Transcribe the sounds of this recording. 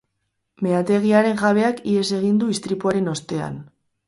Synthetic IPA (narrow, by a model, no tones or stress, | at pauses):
me̞at̪e̞ɣ̞iaɾe̞ŋʝaβ̞e̞akie̞se̞ɣ̞ind̪uist̪ɾipuaɾe̞no̞st̪e̞a̰n